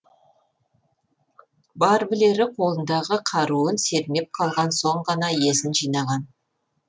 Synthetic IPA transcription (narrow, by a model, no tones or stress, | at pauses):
bɑɾbɪle̞ɾɪqʰo̞lˠənd̪ɑʁəqʰɑɾuənse̞ɾɪme̞p̚qʰɑlˠʁɑnso̞ɴʁɑnɑje̞sɪnʒijnɑʁɑn